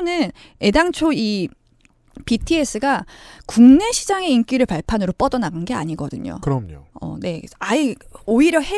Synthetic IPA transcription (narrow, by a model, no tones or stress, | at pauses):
nɯn | e̞daŋt͡ɕʰoi | pitʰies͈ɯɡakuŋne̞ɕʰid͡ʑaŋe̞ink͈iɾɯɭpaɭpʰanɯɾop͈ʌdʌnaɡanɡe̞a̰ɲiɡʌdɯɲo̰kɯɾʌmɲo̰ʌ̰ne̞aioiɾjʌhe